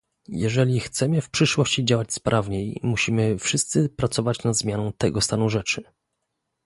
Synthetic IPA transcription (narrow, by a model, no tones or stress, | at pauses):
jɛʐɛlʲixt̪sɛmɘfpʂɘʂwɔɕt͡ɕid͡ʑawat͡ɕspɾʔavɲejmuɕimɘfʂɘst̪sɘpɾat̪sɔvat͡ɕnad̪zmʲjanɔ̃w̃t̪ɛɡɔst̪anuʐɛt͡ʂɘ